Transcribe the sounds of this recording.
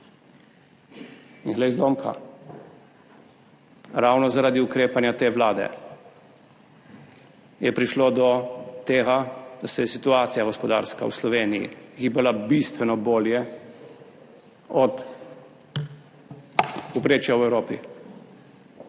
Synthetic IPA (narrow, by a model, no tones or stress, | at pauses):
inɣlɛjzd̪omkʰa̰ | ɾawnɔzaɾaːd̪iukɾeːpanjat̪eːʋlaːd̪ɛ̰ | jɛpɾiʃloːd̪ɔt̪eːɣad̪̥asɛjɛsit̪uaːt̪sijaɡɔspɔd̪a̰ɾska̰wslɔʋeːnijḭɣiːbɛlabist̪ʋɛnɔboːljɛ | ɔt̪ | upɾeːt͡ʃjawɛwɾoːpi